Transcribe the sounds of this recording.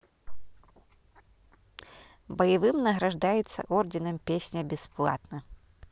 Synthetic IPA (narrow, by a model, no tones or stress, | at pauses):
bɐjɐvɨmnɐɣɾɐʐd̪ajɛt̪sːɐ̰ʔɔrdʲinɐmpʲesʲnʲɐbʲɛsplˠa̰t̪nɐ